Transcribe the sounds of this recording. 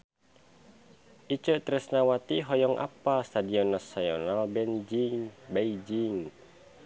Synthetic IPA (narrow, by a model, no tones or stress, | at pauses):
ʔit͡ʃəʔt̪ɾɛsnawat̪iɦɔjɔŋʔa̰past̪adiɔnɔsajɔnalbɛnd͡ʒiŋbeid͡ʒiŋ